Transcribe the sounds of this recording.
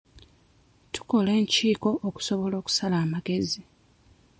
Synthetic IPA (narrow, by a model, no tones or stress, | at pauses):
tu̥ko̞le̞ːɲciːko̞ʔːku̥so̞βo̞lo̞ːku̥salaːmaɡe̞zi